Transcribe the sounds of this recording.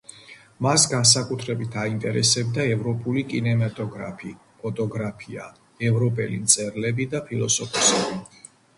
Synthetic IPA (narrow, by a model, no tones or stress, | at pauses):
masɡans̬akʼut̪ʰɾɛbit̪ʰaint̪ʼɛɾɛsɛb̚d̪aɛvɾɔpʼulikʼinɛmat̪ʼɔɡɾa̰pʰi | pʰɔt̪ʼɔɡɾapʰia̰ | ɛvɾɔpʼɛlḭnt̪sʼɛɾlɛbid̪apʰilˠɔsɔpʰɔsɛbi